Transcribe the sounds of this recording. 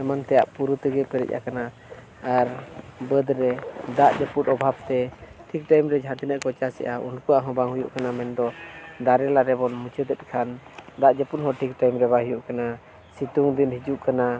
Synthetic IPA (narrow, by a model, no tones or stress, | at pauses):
ɛmant̪ɛja̰ʔpuɾut̪əɡɛpəɾḭc̚ʔa̰kana | aɾbəd̪ɾɛd̪aʔd͡ʒəput̪̚ɔbʱab̚t̪ɛʈʰik̚ʈajmɾɛd͡ʒʱat̪inəʔkɔt͡ʃasɛ̰ʔaṵnkuaʔɦɔ̃baŋɦujṵʔkanamɛnd̪ɔd̪aɾɛlaɾɛbɔnmut͡ʃəd̪ɛt̪̚ˀkʰand̪aʔd͡ʒəput̪̚ɦɔʈʰik̚ʈajmɾɛbaɦujuʔkana | sit̪uŋd̪inhid͡ʒuʔkana